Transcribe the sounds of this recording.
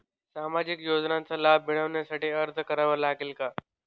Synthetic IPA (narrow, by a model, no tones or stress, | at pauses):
saːmad͡ʑɪkjoːd͡ʒnãnt͡salaːbːɪɽ̃əʋnjasaːʈiəɾt̪ʰkəɾaʋəlɦakɪlkaː